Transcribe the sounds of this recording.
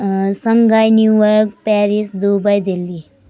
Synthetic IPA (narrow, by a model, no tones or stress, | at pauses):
səŋɡajnjuʋək̚pɛɾisd̪ubajd̪ʱeli